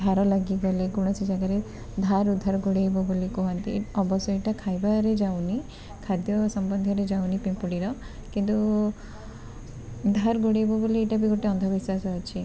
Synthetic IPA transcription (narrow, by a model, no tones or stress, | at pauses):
d̪ʱaɾɔlaɡiɡɔleɡuɽ̃ɔsid͡ʒaɡaɾe | d̪ʱaɾud̪ʱːaɾɡoɽiebɔbolikɔɦant̪ḭɔbɔsɔeʈakʰajbaɾed͡ʒawni | kʰad̪jɔsɔmbɔnd̪ʱjɔɾed͡ʒawnipimpuɽiɾɔ | kint̪u | d̪ʱaɾɡoɽiebɔbolieʈabiɡoʈeɔnd̪ʱɔbiswasɔat͡ʃʰi